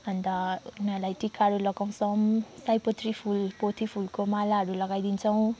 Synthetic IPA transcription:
and̪analajtikʰaɾulɔkawsɔmsajpɔt̪ʰɾipʰulpot̪ʰipʰulkomalaɾulaɡajdinsɔw̃

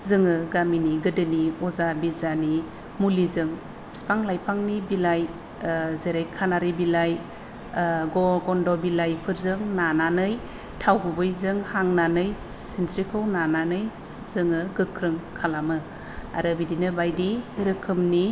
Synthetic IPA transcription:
zɯŋɯɡaminiɡɯdɯniɔzabizani | mulizɯŋ | spaŋlajpʰaŋnibilaj | zeɾajkʰanaɾɯbilaj | ɡɔɡɔndɔbilajpʰɯɾzɯŋnananɯj | tʰawɡɯbɯjzɯŋhaŋnanɯj | sintɾikʰɯwnananɯj | zɯŋɯɡɯkʰɾɯŋkʰalamɯ | a̰ɾɯbidinɯbajdiɾɯkʰɯmni

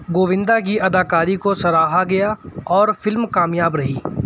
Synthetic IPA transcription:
ɡoːʋɪ̃nd̪ak̬iʔɐd̪aːkaːɾikosɐɾaːɦaɡɐjaɔːɾfɪlmkaːmjaːbɾɐɦiː

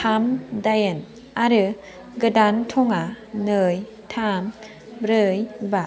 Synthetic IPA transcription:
tʰamdajən | ʔaɾɯ | ɡədant̪ʰoŋa | nɯj | t̪ʰam | ɾəjba

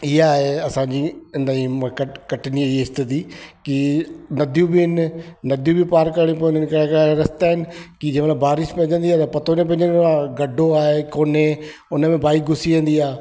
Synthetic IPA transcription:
ɪɦaːɦeɐsãɲd͡ʑind̪aĩmkɐkɐʈɪniɪst̪əd̪ikinɐd̪ʱjũbɪɪnnɐd̪ʱjũbʱipaːɾkɐɾɽ̃ipːnɪnkɐɽakːɾɐst̪aːɦɪnɪ̆kid͡ʑẽːmɐt̪lbbaːɾɪʃpɐ̃ɦɲd͡ʑə̃nd̪iaːt̪ɐpɐt̪ʰonẽp̬ɐ̃ɪ̃ɲd͡ʑə̃nd̪aːɡɐɖʱoaːɦekoːne | ʊnə̆mẽbaːiɡʱʊsiʋẽn̆d̪iaː

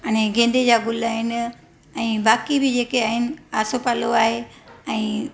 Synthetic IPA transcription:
ɐñẽɡẽːn̆d̪ed͡ʑaːɡʊlaːɦɪnɪ̆ | ɛ̃ːbaːkibɪd͡ʑeːkeaːɦɪnɪ̆aːsopaloaːɦeɛ̃ː

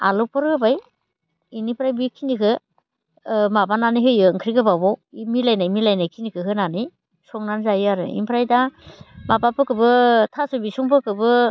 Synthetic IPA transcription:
a̰lɔpʰɯɾɡɯbaj | inipʰɾajbikʰinikʰɯ | mabananijɦɯjɯŋkʰɾiɡɯbabɔwimilajnajmilajnajkʰinikʰɯɦɯnanij | sɔŋnanzajɯaɾɯ̰ḭmpʰɾajdamapapʰɯkʰɯbɯtʰasubisuŋpʰɯkɯbɯ

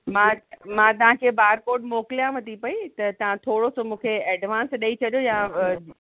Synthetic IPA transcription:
mãmãt̪ɐʋ̤ãkʰeːbaːɾkoːɾɖmoːkɪlijãʋɐt̪ipɐit̪ɐt̪ɐʋ̤ãt̪ʰoːɽosomũːkʰeeːɖʋãːnsɗɐit͡ɕʰɐɗijojã

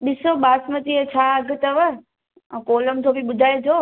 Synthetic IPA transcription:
ɓɪsoɓaːsmət̪iet͡ɕʰaːɐɡʱt̪ɐʋə̃ | koːləmd͡ʑobʱiɓʊd̪ʱaːed͡ʑ̪ʰoː

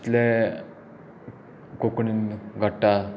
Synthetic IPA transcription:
t̪le | kokɳinɡʱəʈːa

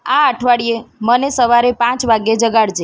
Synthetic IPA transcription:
ãaʈʰʋaɽijemənesəʋaɾepãt͡ʃʋaɡjed͡ʒəɡaɽd͡ʒe

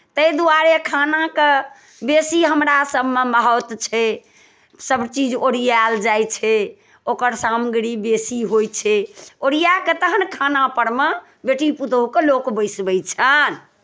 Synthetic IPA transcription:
t̪əjd̪uaɾekʰanake | besiɦəmɾasəbʱmeməɦɔt̪t͡ʃʰɛ | səbt͡ʃid͡ʒoɾijald͡ʒajt͡ʃʰɛ | okəɾsamɡɾibesiɦojt͡ʃʰɛoɾijaket̪əɦənkʰanapəɽme | beʈiput̪əukelokbəɪsbəjt͡ʃʰən

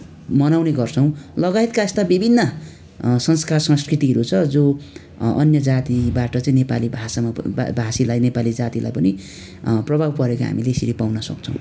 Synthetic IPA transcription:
mʌnawneɡʌrt͡sʰʌw̃lʌɡajt̪kaest̪abibʱinːʌ | sʌnskarsʌ̃nskrit̪iɦʌɾut͡sʰʌd͡zo | ʌ̰njʌd͡zat̪ibaʈʌt͡saĩnepa̰libʱasama̰bʱasilajnepalid͡zat̪ila̰jpʌni | prʌbʱabpʌɾeko̰ɦa̰mileːsiɾipawnʌsʌ̰k̚t͡sʰʌ̰̃w̃

